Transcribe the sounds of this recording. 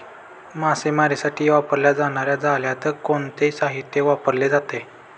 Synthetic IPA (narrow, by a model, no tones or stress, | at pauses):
masemaɾesaʈʰiːʋapəɾljad͡zaɽ̃aɾjad͡zaljat̪əɾkoɳt̪esaɦit̪ːjeʋapəɾled͡zat̪e